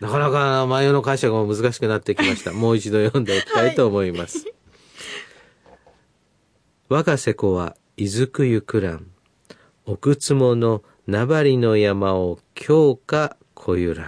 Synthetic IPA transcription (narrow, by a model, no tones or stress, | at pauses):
nakanakanmajo̞ːno̞kaĩɕaɡamamɯ̟zɨkaɕi̥kɯ̟nat̪ːe̞kʲimaɕi̥t̪amo̞ːit͡ɕid̪o̞jõ̞nd̪eikʲi̥t̪ait̪o̞ːmo̞imasɨ̥ | βakase̞ko̞βa̰ | izɨkɯ̟jɯ̟kɯ̟ɾã̰ŋ | okɯ̟t͡sɨmo̞no̞ | nabaɾʲino̞jamaokʲʰo̞ːka | kʰo̞jɯɾã̰